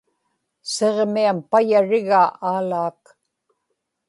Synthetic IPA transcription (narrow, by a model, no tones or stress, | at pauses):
seʁmiampajaɻɪɣaʔaːlaːk